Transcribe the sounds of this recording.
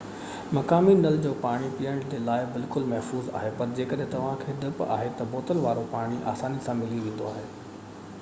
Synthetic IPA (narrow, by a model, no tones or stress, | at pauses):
mɐkaːminɐld͡ʑoːpaːɽ̃ipijəɽ̃d͡ʑeːlaːɪbɪlkʊlmɐɦfuːza̰ːɦepɐɾd͡ʑeːkɐɗɦɪ̃t̪ɐʋ̤ãkʰeːd̪ɐpa̰ːɦet̪ɐboːt̪əlʋaːɾopaːɽ̃iʔa̰ːsaːnisãmɪliʋẽːn̆d̪oaːɦeː